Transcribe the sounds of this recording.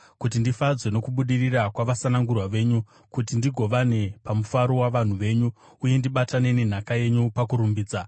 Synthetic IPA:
kut̬indifad͡zwe̞no̞kuɓuɗirirakwaʋasanaŋɡurwaʋe̞ɲu | kutindiɡʱo̞ʋane̞pamufaɾo̞waʋan̤uʋe̞ːɲuː | je̞ndiɓatane̞nen̤akaje̞ɲupakuɾumbiːd͡za

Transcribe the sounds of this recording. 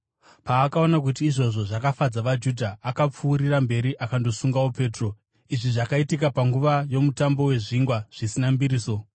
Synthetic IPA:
paːkao̞nak̬ut̬iːʐo̞ʐo̞ʐakafad͡zaʋad͡ʒudʱaːkap͡fuːɾirambe̞ɾiʔakando̞suŋɡawope̞ːtro̞ | iʐiʐakaitikapaŋɡuʋajo̞mutambo̞we̞ʐiŋɡwaʐ̥isinambiɾiːso̞

